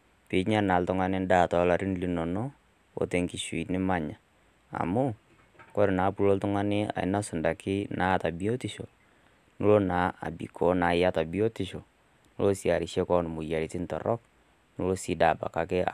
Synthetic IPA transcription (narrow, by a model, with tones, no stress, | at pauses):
pɪ˨ɲa˦na˨ltʊ˦ŋa˦nɪ˦n˦da˦˨tɔ˨˦la˨ɾi˦nli˨no˨no˦ | o̰˨te˨ŋki˨ʃwi˨nɪ˦ma˦ɲa˨ | a̰˨mʊ˦ | kɔ˦ɾɪ˨naː˨˦pu˦lo˦ltʊ˦ŋa˦nɪ˦a̰˨ɪ̰˦na˦sʊ˨nda˨kʰɪ˦na˦ta˨bi˦o˦tɪ˦ʃo˨ | nu˦lo˦na˨˦a̰˨bḭ˨kʰɔ˨˦na˨ɪ˦ja˦ta˨bi˦o˦ti˨ʃo˨ | nu˦lo˦si˨a˨ɾɪ˨ʃe˦kɔ˦n˨mʊ˨ja˨ɾi˨tɪ˦ntɔ̰˨rɔ˦k̚ | nu˦lo˦si˦da˨ba̰˨ka˨kɛ˦